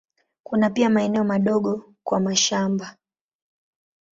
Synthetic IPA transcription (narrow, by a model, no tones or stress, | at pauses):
kunapiamaɛnɛɔmaɗɔɠɔ | kwamaʃamba